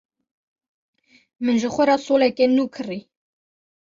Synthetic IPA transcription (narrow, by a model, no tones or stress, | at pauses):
mɨnʒəxʷɛɾɑsoːlɛkenuːkʰɨri